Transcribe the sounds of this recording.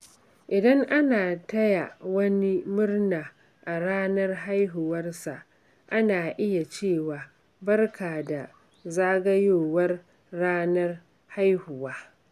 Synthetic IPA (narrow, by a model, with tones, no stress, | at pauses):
ʔɪ˨dɐ˦ŋʔa˦naː˨tɐ˦ja˨wɐ˦ni˦mʊ˦rnaː˨ | ʔa˨ɽaː˦nɐ˦rɦa˦jɦʊ˨wɐ˦rsa˨ʔ | ʔa˦naː˨ʔɪ˦ja˨t͡ʃeː˦˨waː˨ | bɐ˦rkʰaː˨da˨ | zaː˦ɡɐ˦joː˦wɐ˦rː | aː˦nɐ˦r | ha˦jhʊ˨waː˦